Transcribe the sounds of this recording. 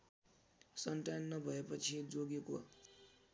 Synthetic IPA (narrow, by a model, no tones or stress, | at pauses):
sʌnʈanːʌbʱʌepʌt͡sʰid͡zoɡeko